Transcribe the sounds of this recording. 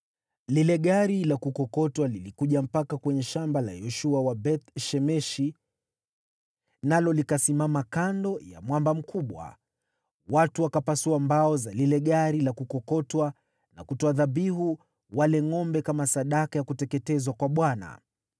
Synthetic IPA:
lilɛɠaɾilakukɔkɔtwalilikuʄam̩pakakwɛɲɛʃambala̰jɔʃuawabɛt̪ʃɛmɛʃi | nalɔlikasimamakandɔja̰mwambam̩kʰuɓwa̰ | watuwakapasuambaɔzalilɛɠaɾilakukɔkɔtwa | na̰kutɔaðabiɦu | walɛŋɔmbɛkamasaɗakajakutɛkɛtɛzwakwaɓwana̰

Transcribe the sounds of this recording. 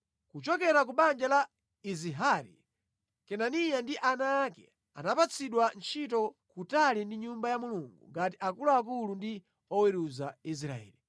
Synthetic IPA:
kut͡ʃɔkɛɾak̬uɓand͡ʒala | iziɦaɾḭ | kɛnanijandiʔanaːkɛ̰ | a̰napat͡sʰiɗwant͡ʃʰitɔkutalindiɲumbajamuluŋɡṵŋɡatiʔakuluak̬ulundi | ɔwɛɾuzais̬ɾaɛ̰ːli

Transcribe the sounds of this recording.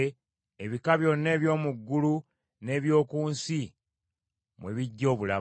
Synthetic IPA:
eβikaβjo̞nːe̞ːβjo̞ːmuɡːulu | ne̞ːβjo̞ːkuːnsi | mwe̞̰βiɟːo̞ːβula

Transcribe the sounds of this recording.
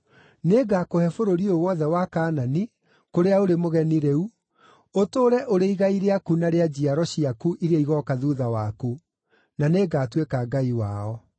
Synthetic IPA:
neːɡakohɛfoɾoɾiowɔðɛwakaːnani | koɾeaoɾemoɣɛniɾeu | otoːɾɛʔoɾeiɣaiɾeakunaɾead͡ʑiaɾɔɕiakuʔiɾaiɣɔkaðuðawaku | naneɡaːtwekaɡaiwaːɔ

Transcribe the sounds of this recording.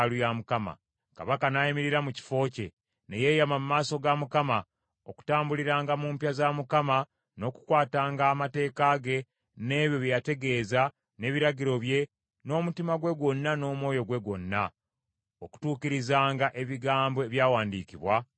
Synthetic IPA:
lujamukama̰ | ka̰βakanajimiɾiɾamuci̥fo̞ːce̞ | neje̞jamamumaːso̞ɡamukama | o̞ku̥taːmbuliɾaːŋɡamuːmpjazamukama | no̞ku̥kwaːtaːŋɡaːmate̞ːkaɡe̞ | ne̞ːβjo̞βjjate̞ɡe̞ːza | ne̞ːβiɾaɟiɾo̞βje̞ | no̞ːmutimaɡwe̞ɡo̞nːano̞ːmo̞ːjo̞ɡwe̞ɡwo̞nːa | o̞ku̥tuːciɾizaːŋɡaʔe̞βiɡaːmbo̞eβjaːwaːndiːciβwa

